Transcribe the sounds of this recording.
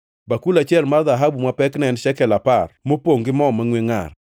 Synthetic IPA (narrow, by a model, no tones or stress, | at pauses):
bakulat͡ʃɪɛlmarðaɦabumapɛknɛnʃɛkɛlaparmopoŋɡɪmɔmaŋweŋa̰r